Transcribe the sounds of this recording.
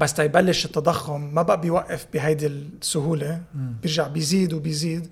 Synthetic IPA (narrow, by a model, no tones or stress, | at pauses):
basːt̪ajbalːɪʃɪt̪ːɑd̪ˤɑxːʊmːabaʔabɪjwaʔːɪfbɪɦajd̪ilsːʊɦuːlebjɪɾʒaʕbɪjziːd̪wɪbɪjziːd̪